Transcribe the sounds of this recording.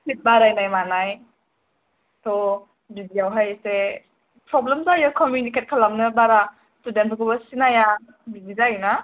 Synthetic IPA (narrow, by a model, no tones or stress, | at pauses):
sit̚baɾajnajmanaj | tʰɔ | bizijawɦajse | pɾɔblemzajɯkɔmjuniket̚kʰalamnɯbaɾa | studentʰɔkʰɔbasinaja | bizizajna